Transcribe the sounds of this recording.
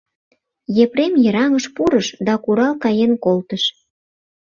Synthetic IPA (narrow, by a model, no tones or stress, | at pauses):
jepɾemjə̆ɾɑŋəʃpuɾəʃd̪ɑkuɾɑlkɑjenkolt̪əʃ